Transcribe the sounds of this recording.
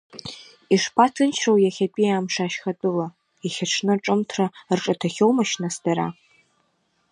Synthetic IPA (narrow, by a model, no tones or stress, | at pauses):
iʂpʰatʰɨnt͡ʃʰrowjaχʲapʼiaːmʂaʃχatʼɨla | aχʲaʈ͡ʂʰnɨʈ͡ʂʼɨmtʰrarʈ͡ʂʼatʰaχʲowmaʃnasdaɾa̰